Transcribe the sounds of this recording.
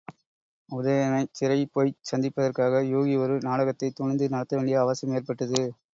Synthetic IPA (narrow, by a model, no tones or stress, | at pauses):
ʊðɐjɐnɐɪt͡ʃɪɾɐipoːjsɐnd̪ɪpːɐðɐrkaːɣɐjoːɣiɔɾɯnaːɽɐɣɐt̪ːɐɪt̪ːʊɳɐnd̪ɯnɐɽɐt̪ːɐʋeːɳɖɪjɐːʋɐsɐmeːrpɐʈːɐðɯ